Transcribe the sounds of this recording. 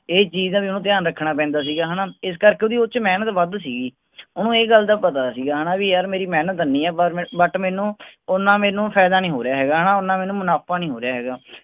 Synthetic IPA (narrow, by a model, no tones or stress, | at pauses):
eːt͡ʃiːzãːʋiːonũːt̪̬ɪjaːnɾəkʰːɳaːpɛ̃ːnd̪aːs̬iːɡaːɦanãːɪs̬kəɾkeːoːd̪iːʊt͡ʃmɛːnət̪ʋəd̪siːɡiː | ʊnũːeːɡəld̪aːpət̪aːsiːɡaːɦaːnaːʋiːjaɾmeːɾiːmɛːnət̪nĩːɛːbəʈmɛːnũːʊnːãːmeːnũːpʰɛːd̪aːnĩːɦoːɾɪjaːɦɛːɡaːɦaːnaːʊnːãːmɛːnũːmənaːpaːnĩːɦoːɾɪjaːɦɛːɡaː